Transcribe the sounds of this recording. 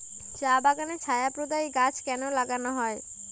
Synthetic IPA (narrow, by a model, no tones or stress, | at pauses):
d͡ʑabaɡanet͡ɕʰajapɾod̪ajɡat͡ɕʰkɛnolaɡanoɦɔe